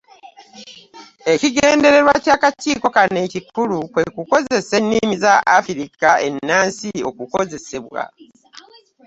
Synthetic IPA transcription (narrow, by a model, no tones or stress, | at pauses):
e̞ciɡe̞ːnde̞ɾe̞ɾwacaːkatiːko̞kanecikulukwe̞kuko̞ze̞se̞nːimizaafiɾikae̞nːaːnsio̞̰kuko̞ze̞se̞βwa̰